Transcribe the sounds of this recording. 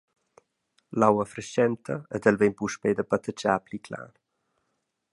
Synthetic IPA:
lawəfɾəʃɛnt̪ʰəɛd̪ɛlvɛmpuʃpɛd̪əpat̪ət͡ʃaːplikʰla̰ːn

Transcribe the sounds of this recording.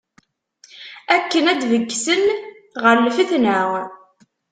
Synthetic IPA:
ækːənæd̪vəɡːsən | ʁəɾlfiθnəʁ

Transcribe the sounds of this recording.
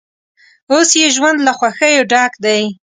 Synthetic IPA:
osjeʒwand̪laxwaxəjoɖɑkd̪aj

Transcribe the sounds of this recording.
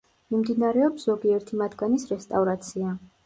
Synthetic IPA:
mimd̪inaɾɛɔpszɔɡiɛɾt̪ʰimad̪ɡanisɾɛst̪ʼavɾat̪sʰia

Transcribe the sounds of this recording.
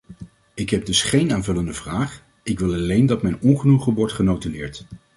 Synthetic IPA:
ɪkɦɛb̚dɵsχejnaːnvɵləndəvraːχ | ɪkʋɪlˠɑlejndɑtmɛjnɔnχənuχəʋɔɹtχənowtəlɪːɹt

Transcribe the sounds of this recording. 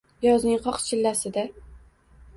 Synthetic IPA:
jɒznɪŋqʰɒqt͡ʃʰɪlːasɪd̪a

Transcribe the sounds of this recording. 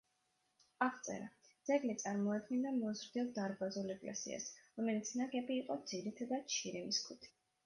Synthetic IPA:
aʁt̪sʼɛ̰ɾad̪z̥ɛɡlit̪sʼaɾmɔad̪̚ɡɛnd̪amɔzɾd̪iɔlˠd̪aɾbazulɛkʼlɛ̰sḭa̰sɾɔmɛlit̪sʰnaɡʼɛbiːqʼɔd̪ziɾit̪ʰad̪at͡ʃʰiɾimiskʰut̪ʰi̥

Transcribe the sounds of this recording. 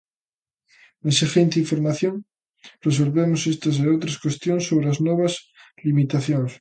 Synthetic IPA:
ensixent̪iɱfoɾmaθjoŋ | res̬o̞lβemosest̪aseot̪ɾaskwest̪jonsːoβ̞ɾeaznwoβas | limit̪aθjoŋs

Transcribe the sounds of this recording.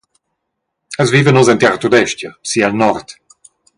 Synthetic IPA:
əzviːvənɔzɛnt̪ɛʁt̪ud̪ɛʃt̪jɐsialnɔɾt̪

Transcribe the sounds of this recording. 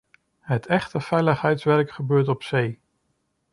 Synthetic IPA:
ɦətʰɛχtəv̥ɛjləχɦɛjtsʋɛɹkχəbøːɹtɔpsej

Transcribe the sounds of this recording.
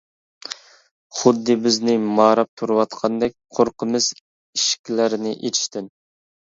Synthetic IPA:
χʊd̪ːɨbɪznɪmɑːɾɑp̚t̪ʰuɾɨwɑt̪qʰɑnd̪ɛk̚ʲqʰoɾqʰəmɨz | iʃkʲʰilæɾɪnɪʔet͡ʃ̪ʰi̥ʃt̪ɪn

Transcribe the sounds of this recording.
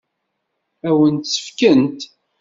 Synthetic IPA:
æwənt̪sə̥fkənt̪

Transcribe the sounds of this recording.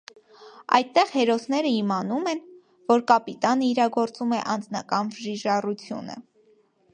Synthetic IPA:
ɑ̰jt̪ːɛʁhɛɾɔsnɛɾəimɑnumɛn | vɔɾkɑpit̪ɑnəiɾɑɡɔɾt͡sumɛʔɑnd͡znɑkɑnvəʒiʒɑrut͡sʰjṵnə̰

